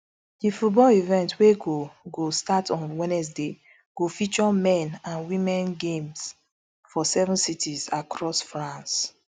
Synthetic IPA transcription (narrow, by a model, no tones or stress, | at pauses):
difut̚bɔlivɛ̃ntweɡoɡostatɔ̃nwɛ̃nɛs̬de | ɡ̥ofit͡ʃɔmɛ̃nãnwimɛ̃nɡẽms | fɔsɛvɔ̃nsitʰizakɹɔsfɹãns